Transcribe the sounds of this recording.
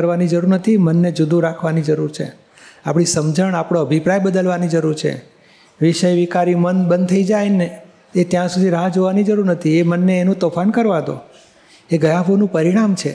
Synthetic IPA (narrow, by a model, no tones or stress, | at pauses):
əɾʋanid͡ʒəɾuɾnət̪ʰimənːed͡ʒud̪ʱũɾakʰʋanid͡ʒəɾuɾt͡ʃʰḛ | apɽ̃isəmd͡ʒəɳapɽ̃oəbʱipɾajbəd̪əlʋanid͡ʒəɾuɾt͡ʃʰḛ | ʋiʃəjʋikaɾimənbənd̪t̪ʰəid͡ʒajne | et̪jãsud̪ʱiɾaɦad͡ʒoʋanid͡ʒəɾuɾnət̪ʰiemənːeːnũt̪ofʰankəɾʋad̪o̰ | eɡəjaʋonũpəɾiɽamt͡ʃʰe